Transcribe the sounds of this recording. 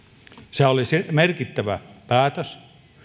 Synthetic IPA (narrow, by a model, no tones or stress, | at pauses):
seolisemerkit̪ːæʋæpæːt̪øs